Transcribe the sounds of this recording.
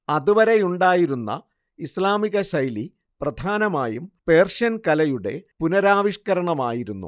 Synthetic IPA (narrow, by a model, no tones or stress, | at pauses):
ɐðuʋɐɾe̞juɳɖaːjiɾunːɐ̰ | islaːmiɣɐɕɐjli | prɐd̪ʱaːnɐmaːjumpe̞ːrʂɐnkɐlɐjuɽe̞̰punɐɾaːʋiʂkɐɾɐɳɐmaːjiɾunːṵ